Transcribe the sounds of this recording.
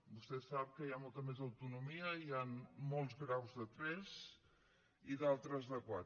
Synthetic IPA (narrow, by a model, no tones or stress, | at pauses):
bust̪ɛsapkəjamɔlˠt̪əmezəwt̪unumiəianmɔlˠzɣɾawzðət̪ɾɛz | iðalˠt̪ɾəzðəkwa